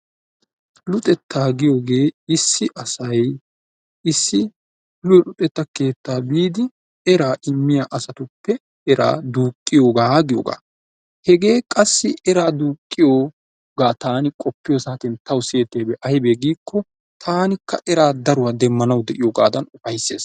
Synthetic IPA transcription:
lʊt̪ʼɛt̪ːaːɡɪjo̞ːɡe̞ːɪsːɪʔɐsɐj | ɪsːɪ | lʊlʊt̪ʼɛt̪ːɐke̞ːt̪ːaːbiːd̪ɪ | ɛɾaːʔɪmːɪjaʔɐsɐt̪ʊpːɛ | ɛɾa̰ːd̪uːkʼːɪjo̞ːɡaːɡɪjo̰ːɡa̰ː | hɛɡe̞ːkʼɐsːɪɛɾaːd̪uːkʼːɪjoː | ɡaːt̪aːnɪkʼɔpːɪjosaːt̪ɪnt̪ɐwseːt̪ːeːbɛʔɐhɪbeːɡiːkːɔ | t̪ʰaːnɪkʰːɐʔɛɾaːd̪ɐɾʊwaːd̪ɛmːɐnɐwd̪ɛʔɪjoːɡa̰ːd̪ɐnʊfɐjsːe̞ːs

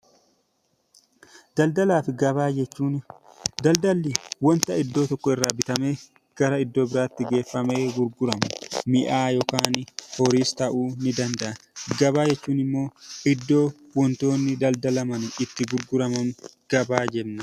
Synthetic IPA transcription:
d̪ɐld̪ɐlaːfɪɡɐβaːd͡ʒɛt͡ʃːuːn | d̪ɐld̪ɐlːɪwɔnt̪ɐɪd̪ːo̞ːt̪ɔkːɔɪrːaːbɪt̪ɐme̞ː | ɡ̥ɐɾɐɪd̪ːo̞ːbɪɾaːt̪ːɪɡe̞ːfːɐme̞ːɡʊɾɡʊɾɐmʊmɪʔaːjɔkaːnhɔɾiːst̪ɐʔuːnɪd̪ɐnd̪ɐʔɐɡɐβaːd͡ʒɛt͡ʃːuːnɪmːo̞ːɪd̪ːo̞ː | wɔnt̪o̞ːnːɪd̪ɐld̪ɐlɐmɐnɪt̪ːɪɡʊɾɡʊɾɐmɐn | ɡ̥ɐbaːd͡ʒɛbnɐ

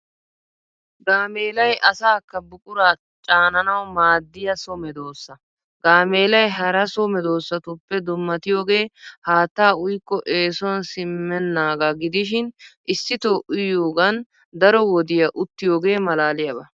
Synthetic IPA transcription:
ɡaːme̞ːlɐjʔɐsaːkːɐbʊkʼʊɾaː | t͡ʃʼaːnɐnɐwmaːd̪ːɪjɐsɔmɛd̪o̞ːsːɐ | ɡaːmeːlɐjɦɐɾɐsɔmɛd̪o̞ːsːɐt̪ʊpːɛd̪ʊmːɐt̪ɪjo̞ːɡe̞ːhaːt̪ːaːʊjkːɔʔe̞ːsɔnsɪmːɛnːaːɡaɡɪd̪ɪʃ̬ɪnʔɪsːɪt̪oːʔʊjoːɡɐn | d̪ɐɾɔwɔd̪ɪjɐʔʊt̪ːɪjo̞ːɡe̞ːmɐlaːlɪjɐbɐ

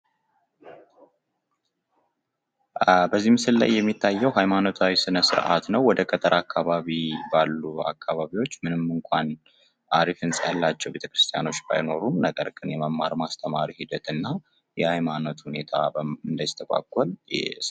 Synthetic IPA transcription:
bəzːihmɨsɨlːa̰jːɛmːit̪ʰːajːɛwɦajmano̞t̪ʰawisɨnəsɨ̰ɾʔa̰t̪nəwwːɔd̪əkʼət̪ʰʼəɾʔakʰːaβaβibalːua̰kːaβaβiwo̞t͡ʃːmɨnɨmɨŋkʷʼʰan | ʔaɾifɨnsʼəhəlːat͡ʃːɛwbet̪ʰəkɾɨst̪ʰija̰no̞t͡ʃːba̰jno̞ɾumnəɡəɾɡɨnjɛməmːaɾmast̪ʰəmaɾihid̪ət̪ɨnːa | jɛhajmano̞t̪hune̞t̪ʰa̰ɨnd̪ajist̪ʰəkʷʼa̰kʷʼːɔl

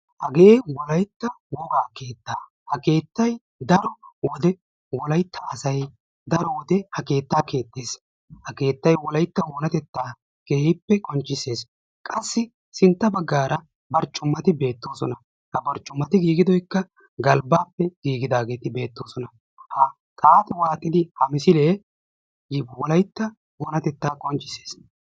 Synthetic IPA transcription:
hɐɡeːwɔlɐjt̪ːɐwɔɡaːke̞ːt̪ːaː | hɐke̞ːt̪ːɐj | d̪ɐɾɔwɔd̪ɛ | wɔlɐjt̪ːɐʔɐsɐj | d̪ɐɾɔwɔd̪ɛhɐke̞ːt̪ːaːke̞ːt̪ːe̞ːs | hɐke̞ːt̪ːɐjwɔlɐjt̪ːɐwoːnɐt̪ɛt̪ːaː | ɡ̥eːhɪpːɛkʼɔnt͡ʃʼːɪse̞ːs | kʼɐsːɪ | sɪnt̪ːɐbɐɡːaːɾɐ | bɐɾt͡ʃʼːʊmːɐt̪ɪbe̞ːt̪ːo̞ːsɔnɐ | hɐbɐɾt͡ʃʼːʊmːɐt̪ɪɡiːɡɪd̪ɔjkːɐ | ɡɐlbaːpːɛɡ̥iːɡɪd̪aːɡe̞ːt̪ɪbe̞ːt̪ːo̞ːsɔnɐ | hɐ | t̪ʼaːt̪waːt̪ʼɪd̪ɪhɐmɪsɪleː | wɔlɐjt̪ːɐ | woːnɐt̪ɛt̪ːaːkʼɔnt͡ʃʼːɪ̥se̞ːs

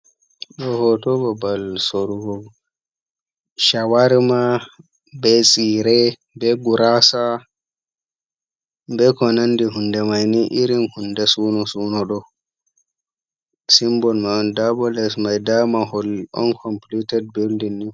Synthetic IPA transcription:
ɗɔhɔtɔbɔbalsoɾuɡɔɡ | ʃawaɾma | bɛsʼiːɾɛ | bɛɡuɾasa | bɛkɔnandiɦundɛmajniʔiɾinhundɛsuːnɔsuːnɔɗɔ | simbɔnmaɔndabɔlɛsmajdamahɔlɔ̰nkʰɔmplitɛd̚bildinːi

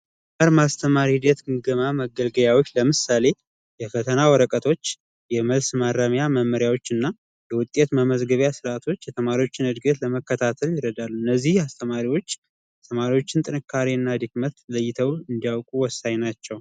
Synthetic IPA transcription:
aɾmast̪ʰəmaɾid̪et̪ɡɨŋɡəmaməɡəlɡəβjawot͡ʃːləmɨsale̞ | jɛfət̪ʰənawɔɾəkʼət̪ʰo̞t͡ʃː | jɛməlsmaɾəmjaməmːəɾjawo̞t͡ʃːɨnːa | jɛwʊt̪ʼːe̞t̪məməzɡəβjasɨɾat̪ʰo̞t͡ʃːjɛt̪ʰəmaɾiwo̞t͡ʃːɪnɨd̪ɡət̪ləməkːət̪ʰat̪ʰəljɪɾəd̪alːuɨnːəzːihast̪ʰəmaɾiwo̞t͡ʃː | ɛt̪ʰəmaɾiwo̞t͡ʃːɪnt̪ʼɨnɨkʰːaɾiɨnːad̪ɨkmət̪ləjːɪt̪ʰəwɨnd̪ijawkʼuwɔsːaɲnat͡ʃːɛw

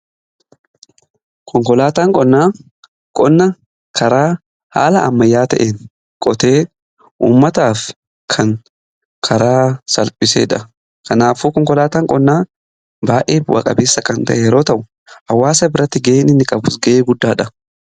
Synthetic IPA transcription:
kʰɔŋkɔlaːt̪aːŋkʼɔnːaː | kʼɔnːɐ | kʰɐɾaː | ha̰ːlɐʔɐ̰mːɐjːaːt̪ɐ̰ʔeːŋ | kʼɔt̪e̞ː | ʔṵːmːɐt̪aːf | kʰɐŋ | kʰɐɾaːsɐlpʼɪsḛːᶑɐ | kɐnaːfuːkɔŋkɔlaːt̪aːŋkʼɔnːaː | baːʔeːfwɐ̰kʼɐ̰beːsːɐkɐnt̪ɐ̰ʔɛjɛɾoːt̪ɐʔʊ | ɐwːaːsɐbɪɾɐt̪ːɪɡɐʔeːnɪnːɪkʼɐbʊsɡɐʔeːɡʊd̪ːaːᶑɐ

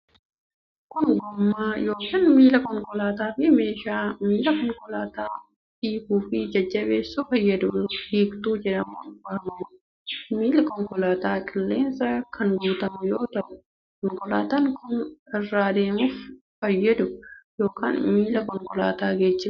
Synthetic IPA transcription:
kɔŋɡɔmːaːjo̞ːkɐːnmiːlɐkʼɔŋkʼɔlaːt̪aːfɪmeːʃaːmiːlɐkɔŋkɔlaːt̪aː | hiːhuːfid͡ʒɐd͡ʒːɐbeːsːufɐjːɐd̪ʊhiːkt̪uːd͡ʒɛᶑɐmobɐhɐmɐmʊ | miːlɐkɔŋkɔlaːt̪aːkʼɪlːeːnsɐkʰɐnɡuːt̪ɐmʊjoːt̪ɐʊ | kɔŋkɔla̰ːt̪ɐŋkʰʊnɪrːaːd̪e̞ːmʊf | fɐjːɐd̪ʊjo̞ːkʰa̰ːnmiːlɐkɔŋkʼɔla̰ːt̪aːɡeːt͡ʃːɪ

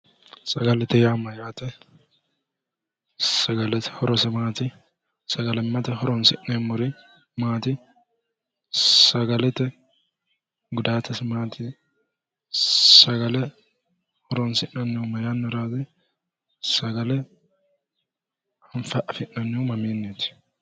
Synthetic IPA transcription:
sɐɡɐlɛt̪ɛjamɐjaːt̪ɛ | sɐɡɐlɛt̪ɛ̥hɔɾɔsɛmaːt̪i | sɐɡɐlɛmːɐt̪ɛhɔɾɔnsɪʔemːʊɾɪ | maːt̪ɪ | sɐɡɐlɛt̪ɛ | ɡʊd̪aːt̪ʰɐsmaːt̪ʰɪ | sɐɡɐlɛ | hɔɾɔnsɪʔɐnːɪmɐjaːnːɪɾaːzɪ | sɐɡɐlɛ | hɐnfɐʔɐfɪʔɐnːɪumɐmiːnːɪt̪ɪ̥

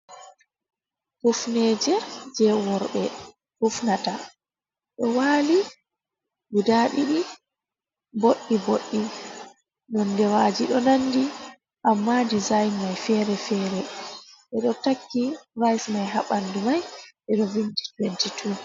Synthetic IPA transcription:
hufnɛːd͡ʒɛd͡ʒɛwɔɾɓɛ | hufnata | ɗɔwaːli | ɡudaɗiɗi | boɗːiboɗːi | nɔndɛwaːd͡ʒiɗɔnanːdi | ʔamːadizajnmajfɛːɾɛfɛːɾɛʔɛɗɔtakːirajfmajɦaɓandumajʔɛɗɔvinti̥twɛntitʰu

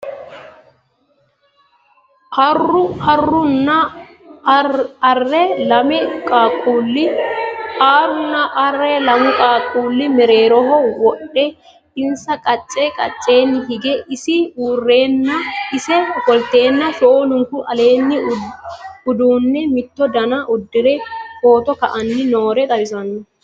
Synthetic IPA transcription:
ɐrʊhɐrːʊnːɐ | ɐrːɛlɐmɛkʼaːkʼulːɪ | aːɾʊnːɐʔɐrːɛlɐmʊkʼaːkʼuːlːɪmɪɾeːɾɔɦɔwɔɗːɛ | ɪnsɐkʼɐt͡ʃʼːekʼɐ̰t͡ʃʼːe̞ːnːɪɦɪɡɛʔɪsɪuːrːe̞ːnːɐɪsɛɔkʼɔlt̪e̞ːnːɐsoonʊŋkʊʔɐle̞ːnːɪ | ʊd̪uːnːɛmɪt̪ːɔd̪ɐnɐʔʊd̪ːɪɾɛfo̞ːt̪ɔkɐʔɐnːɪno̞ːɾɛt̪ʼɐbɪsɐnːɔ

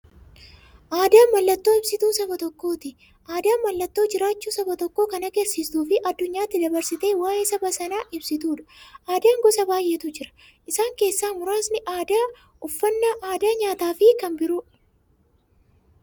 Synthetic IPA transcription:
ʔaːd̪aːmːɐlːɐt̪ːo̞ːɪb̥sɪt̪uːsɐbɐt̪ɔkːo̞ːt̪ɪ | ʔaːd̪aːmɐlːɐt̪ːo̞ːd͡ʒɪɾaːt͡ʃːuːsɐbɐt̪ɔkːo̞ːkɐnɐɡɛɾsiːst̪uːfɪʔɐd̪ːʊɲːaːt̪ːɪd̪ɐbɐɾsɪt̪e̞ːwaːjeːsɐbɐsɐnaːʔɪbsɪt̪uːᶑɐ̥ʔaːd̪aːŋɡɔsɐbaːjʔeːt̪ʊd͡ʒɪɾɐ̥ | ʔɪsaːŋke̞ːsːaːmʊɾaːsnɪʔaːd̪a | ɔfːɐnːɐʔaːd̪aːɲaːt̪aːfɪkɐnbɪɾʊ

